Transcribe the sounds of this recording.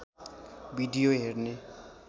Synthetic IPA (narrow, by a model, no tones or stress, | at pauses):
biɖijoɦerne